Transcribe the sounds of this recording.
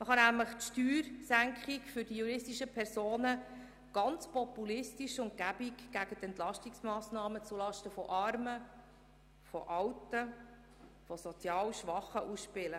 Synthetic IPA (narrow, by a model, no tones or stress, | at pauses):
məχɑnæmləχtʃtyːɾsæŋkχikfʏɾdijuɾɪstiʃəpʰɛɾsoːnə | ɡ̥ɑnt͡spɔpːulɪstiʃʊŋt̚kæbikɡ̥æɡət̪ɛntlɑʃtiksmɑːsnɑːmət͡sulɑʃtəfɔʔɑɾmə | fɔ̰ʔɑwtːə | fɔsɔt͡sjɑːlʃʋɑχəʔusʃpɪlə